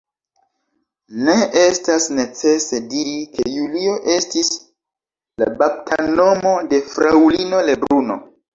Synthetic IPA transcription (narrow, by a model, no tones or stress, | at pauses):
ne̞ʔe̞stasne̞t͡se̞se̞diɾike̞julio̞ʔe̞stis | la̰bap̚tʰano̞mo̞de̞fɾawlino̞le̞bɾuno̞̰